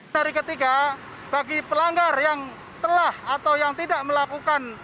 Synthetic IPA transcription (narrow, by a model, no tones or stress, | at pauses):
aɾikət̪iɡa | b̥aɡipəlaŋɡarjaŋ | t̪əlahat̪awjaŋt̪idaʔməlakukan